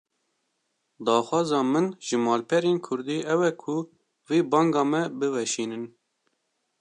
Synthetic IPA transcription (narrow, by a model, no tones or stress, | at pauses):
d̪ɑːxwɑːzɑːmɨnʒ̥ɨmɑːlpʰɛɾeːnkʰʊɾd̪iːʔɛwɛkʰʊ | viːbɑŋɡɑːmɛbɨvɛʃiːnɨn